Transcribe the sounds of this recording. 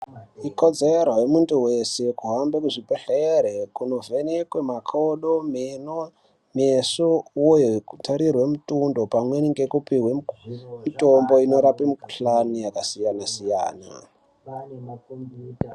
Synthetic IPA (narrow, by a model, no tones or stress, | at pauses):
ikod͡zerwajemuntuwese̞kuɦambekuʐipeɬeɾekuno̞venekwemakʰoɗomno | mesowojokutʰaɾirwe̞mutundo̞pamweniŋɡekupiwemito̞mbo̞ino̞ɾapimiku̥ɬanujakasijanasija̰ːna̰